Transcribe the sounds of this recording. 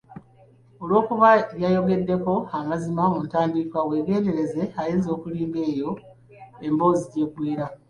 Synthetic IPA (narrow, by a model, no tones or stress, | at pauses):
o̞lwo̞ːkuβaβjajo̞ɡe̞dːe̞ko̞amazimamuntaːndiːkwawe̞ːɡe̞ːnde̞ɾe̞ze̞ajeːnzoːkuliːmbe̞ːjo̞ | e̞mbo̞ːziɟe̞ːkwiːɾa